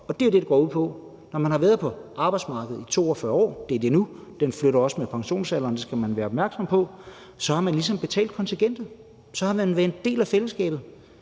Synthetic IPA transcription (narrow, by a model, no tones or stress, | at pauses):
ɒ̽d̥e̝æd̥e̝ɾeɡ̥ɒ̰ːuð̰ˠpʰɒ̽ | nɒmænhɑ̈ʋæːɐð̩ˠpʰɒ̽ɑ̈ːb̥ɑ̈ɪd̥smɑ̈ːɡ̥əð̩ˠit͡sʰo̝̰ːɒfɶːɐɒ̰ːd̥e̝ɐd̥e̝nud̥enfløɾɐɒ̽səmepʰɑ̈ŋɕo̝̰ːnsælɐnd̥e̝sɡ̥æmænʋæːɐɒ̽bmæɐɡ̥sɒ̽m̰pʰɒ̽ | sɒ̽hɑ̈mænlisɒ̽mb̥e̝t͡sʰɛ̰ːld̥̚kʰɒ̽nt͡sʰeɡ̥en̰d̥ɐ | sɒ̽hɑ̈menʋæd̥d̥e̝̰ːlæfeləsɡ̥ɛ̰ːb̥ð̩ˠ